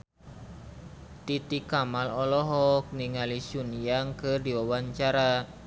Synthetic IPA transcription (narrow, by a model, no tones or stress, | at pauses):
t̪it̪ikamalɔlɔɦɔk̚niŋalisunijaŋkɨrdiwawaɲt͡ʃaɾa